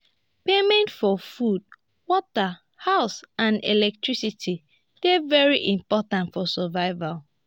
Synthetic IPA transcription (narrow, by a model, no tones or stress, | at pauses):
pemɛ̃ntfɔfud̚ | wɔtə | haʊsãndḛlɛk̚tʰɹisitʰi | d̥evɛɹiʔĩmpɔtãntfɔsɛvaɪval